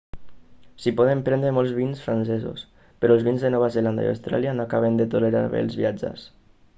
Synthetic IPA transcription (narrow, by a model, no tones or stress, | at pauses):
sipɔðempɾɛnd̪ɾemɔlˠzβinsfɾansɛzṵs | pəɾɔəlˠzβinzðənɔβ̞azeland̪a̰ia̰wst̪ɾa̰lianoakaβ̞end̪ət̪uleɾa̰ɾβḛlˠzβiad͡ʒə̰s